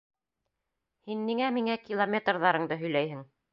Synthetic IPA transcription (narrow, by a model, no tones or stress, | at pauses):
hinːiŋæmiŋækʲilˠomʲet̪rðɑɾɤɴd̪ɤɦɵ̆jlæjɦɘŋ